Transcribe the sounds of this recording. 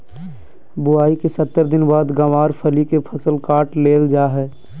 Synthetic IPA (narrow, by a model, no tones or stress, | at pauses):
bʊaːikesɐt̪ːəɾd̪ɪnbaːd̪ɡəʋaːɾpʰəlikepʰɐsəlkaːʈleːld͡ʒaːɦɛː